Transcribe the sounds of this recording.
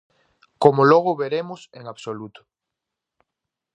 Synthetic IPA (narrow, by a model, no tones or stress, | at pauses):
komʊlɔɣ̞ʊβeɾemʊseŋaβsolut̪ʊ̥